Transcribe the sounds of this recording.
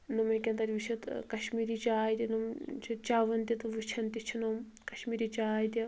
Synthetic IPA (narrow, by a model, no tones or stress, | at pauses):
numekʲɐnt̪ɐɾʲʋit͡ʃʰɐt̪kɐʃmiːɾit͡ʃaːjt̪ʲinumt͡ʃʰit͡ʃaːʋɐnt̪ʲit̪ɨʋit͡ʃʰɐnt̪it͡ʃʰinom | kɐʃmiːɾit͡ʃaːjt̪ʲi